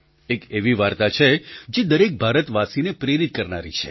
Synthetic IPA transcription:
ekeʋiʋaɾt̪at͡ʃʰed͡ʒed̪əɾek̚bʱaɾət̪ʋasinepɾeɾit̪̚kəɾnaɾḭt͡ʃʰe

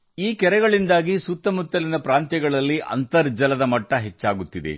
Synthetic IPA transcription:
iːkɛɾɛɡɐɭind̪aːɡisut̪ːɐmut̪ːɐlinɐpɾaːnt̪jɐɡɐɭɐlːiʔɐ̰nt̪ɐɾd͡ʒɐlɐd̪ɐmɐʈːɐɦet͡ʃːaːɡut̪ːid̪ḛ

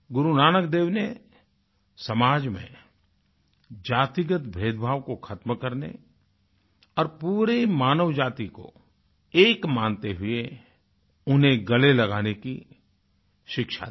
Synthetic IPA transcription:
ɡʊɾunaːnək̚d̪eːʋne | sɐmaːd͡ʒmḛ̃ | d͡ʒaːt̪ɪɡət̪bʱeːd̪bʱaːʋkokʰət̪mkəɾnḛ | ɔːɾpuːɾemaːnəʋd͡ʒaːt̪iko̰ | eːkmãːnt̪eɦʊe | ʊnɦẽɡɐlelɐɡaːneki | ʃɪkʃa̰

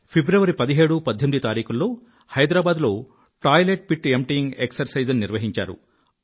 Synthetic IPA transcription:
pʰibɾɐʋɐɾipɐd̪iɦe̞ːɽupɐd̪ʱːemid̪it̪aːɾiːkulːo̞ː | hɐjd̪ɾaːbaːd̪lo̞ː | ʈaːjleʈ̚piʈːemʈiŋɡeksɐɾsɐjd͡ʒɐnːiɾʋɐɦiɲt͡ʃa̰ːɾṵ

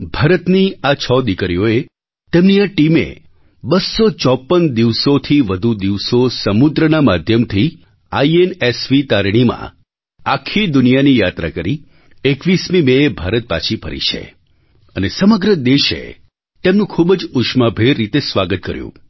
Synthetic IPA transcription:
bʱaɾət̪niat͡ʃʰɔd̪ikɾijoe | t̪emniaʈimḛ | bəsːot͡ʃɔpːənd̪iʋsot̪ʰiʋəd̪ʱud̪iʋsosəmud̪ɾənamad̪ʱjəmt̪ʰi | aienesʋit̪aɾɽ̃imã̰ | akʰid̪ʊnijanijat̪ɾa̰kəɾi | ekʋismimeebʱaɾət̪̚pa̰t͡ʃʰipə̰ɾḭt͡ʃʰḛ | ənesəməɡɾəd̪eʃḛ | t̪emnũkʰubd͡ʒʊʃmabʱeɾːit̪esʋaɡət̪̚kəɾjṵ̃

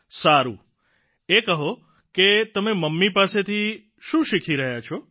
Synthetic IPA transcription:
saɾṵ̃ | ekəɦo | ket̪əmeməmːipaset̪ʰi | ʃũʃikʰiɾəɦjat͡ʃʰo

